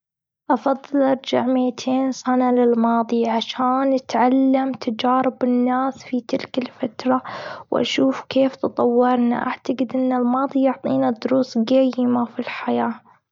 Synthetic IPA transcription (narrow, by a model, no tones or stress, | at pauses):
ʔɑfɑðˤːɑlʔɑɾd͡ʒa̰ʕmɪjt̪ʰeːnsanalɪlmɑːðˤiʕaʃaːnɪt̪ʕalːamt̪ʰad͡ʒaːɾɪbɪnːaːsfit̪ɪlkɪlfat̪ɾˤɑwʔa̰ʃuːfkeːft̪ɨt̪ˤɑwːɑɾˤna̰ʔa̰ʕt̪aɡɪd̪ʔɪnːalmɑːðˤijʊʕt̪ˤiːnad̪ʊɾuːsˤɡajːɪmafilħajaː